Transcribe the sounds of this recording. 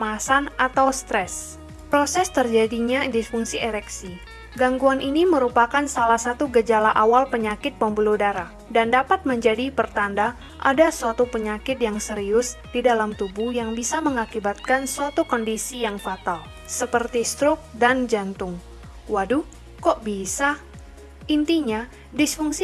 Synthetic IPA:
masanat̪awst̪ɾɛs | pɾosɛst̪ərd͡ʒadiɲadifuŋsiʔɛɾɛksi | ɡaŋɡuanʔiniməɾupakansalahsat̪uɡəd͡ʒalaʔawalpəɲakɪt̪̚pəmbuludaɾa | dandapat̪̚məɲd͡ʒadipərt̪anda | ʔa̰dasuat̪upəɲakɪt̪̚jaŋsəɾiʊsdidalamt̪ubuhjaŋbisaməŋakibat̪̚kansuat̪ukɔndisijaŋfat̪al | səpərt̪ist̪ɾʊk̚dand͡ʒant̪ʊŋ | wadu | kɔʔbisa | ʔint̪iɲa | disfuŋsi

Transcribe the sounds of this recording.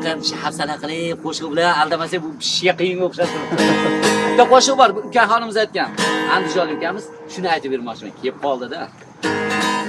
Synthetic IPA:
qapɪʃahafsalaqʰɨlˠɪp̚qʰoʃɨʁbɪlanalˠd̪amasabʊbɪʃɡʲaqijɪŋoχʃaʃt̪ɪɾ | bɪt̪ːaqoʃɨʁbɒɾbʊkʲaɦɒnɪmɪzajt̪̚kʲanand̪ɪd͡ʒɒlˠɪŋkʲanmɪz̥ | ʃʊnɪajt̪ɪpːeɾmɒχt͡ʃʰɪma̰nkʲʰep̚qʰɒlˠd̪ɪd̪a

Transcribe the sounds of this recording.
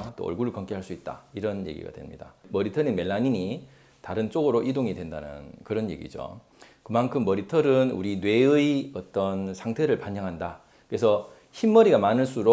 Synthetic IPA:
t͈o̰ʌ̰ɭɡuɾuɭkʌŋk͈iɦaɭs͈uit̚t͈a̰iɾʌnjeɡḭɡa̰dwe̞̰mɲḭda̰mʌɾitʰʌninme̞ɭːaɲiɲi | taɾɯnt͡ɕ͈oɡɯɾoʔidoŋidwendanɯ̰nkɯɾʌnje̞̰ɡḭd͡ʑo̰ | kɯmankʰɯmːʌɾitʰʌɾɯnṵɾinwe̞ɯiʌt͈ʌnsʰaŋtʰe̞ɾɯɭpaɲʌŋɦanda | kɯɾe̞sʰʌ | çimːʌɾiɡamanɯɭs͈uɾo

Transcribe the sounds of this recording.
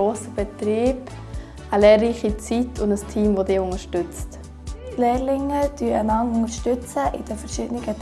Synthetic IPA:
oːsəb̥ɛtɾiːb | əlɛːɾriːχit͡sitʰʊndəstʰiːmvodɪʊŋəɾʃtʏt͡st | leːɾlɪŋəd̥yəʔənɑŋʊŋəɾʃtʏt͡səʔɪd̥ɛfɛɾʃɪdənɪɡə

